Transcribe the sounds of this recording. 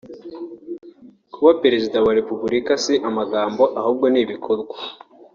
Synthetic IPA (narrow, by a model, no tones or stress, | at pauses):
kuβape̞ɾe̞zidawaɾe̞pubuɾikasiʔamaɡaːmbo̞ʔahuːb̚ɡo̞niːβikʰoɾɡwa